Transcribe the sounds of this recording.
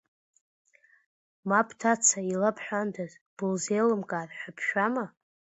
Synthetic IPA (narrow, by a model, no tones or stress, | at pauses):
mapʰtʰat͡sʰailapʰħʷandʰaz | b̥ɨlzejlɨmkʼaːrħʷᶣapʰʃᶣama